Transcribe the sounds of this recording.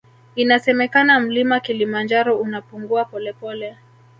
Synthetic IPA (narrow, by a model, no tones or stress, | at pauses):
inasɛmɛkanam̩limakilimand͡ʒaɾɔunapuŋɡuapɔlɛpɔlɛ